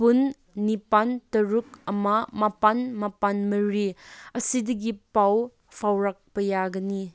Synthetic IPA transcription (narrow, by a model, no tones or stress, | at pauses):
punː | ipantɐɾuk̚ɐmamapanmapanmɐɾiɐsidɐɡipaw | pʰawɾak̚pɐjaɡɐni